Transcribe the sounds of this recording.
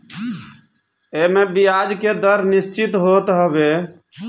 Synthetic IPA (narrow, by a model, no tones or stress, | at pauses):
emebijad͡ʒked̪əɾnist͡ʃit̪ɦot̪ɦəbe